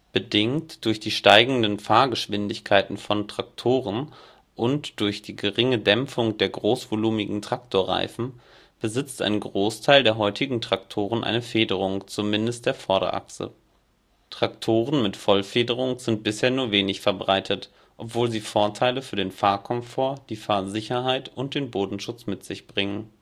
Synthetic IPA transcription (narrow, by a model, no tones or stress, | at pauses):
b̥ədɪŋtd̥ʊɐçd̥iːʃtaɪɡŋ̩dənfaːɐɡəʃv̥ɪndɪçkʰaɪtn̩fɔntʁ̥ak̚tʰoːʁən | ʔʊntd̥ʊɐçd̥iːɡəʁɪŋədɛmfʊŋdeːɐɡʁoːsv̥oluːmɪɡŋ̩tʁ̥aktʰoːɐʁa̰ɪfn̩ | b̥əzɪt͡stʔa̰ɪnɡʁoːstʰaɪldeːɐɦɔʏtɪɡŋ̩tʁ̥aktʰoːʁənʔa̰ɪnəfeːdəʁ̞ʊŋt͡sumɪndəst̚d̥eːɐfɔɐɾɐ̰ʔa̰ksə̰ | tʁ̥aktʰoːʁənmɪtfɔlfeːdəʁ̞ʊŋz̥ɪnt̚b̥ɪsheːɐnuːɐveːnɪçfɛɐbʁaɪtʰət | ʔɔpv̥oːlziːfoːɐtʰaɪləfyːɐdeːnfaːɐkʰɔmfoːɐd̥iːfaːɐzɪçɐɦaɪtʔʊnt̚d̥eːnboːdn̩ʃʊt͡smɪtz̥ɪçb̥ʁɪŋən